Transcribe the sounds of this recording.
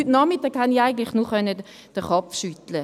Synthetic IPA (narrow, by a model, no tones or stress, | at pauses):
ytnɔmitɑːɡhaniaɪɡən̩tlɪχnuːχœnːə | d̥əχɔpfʃytlə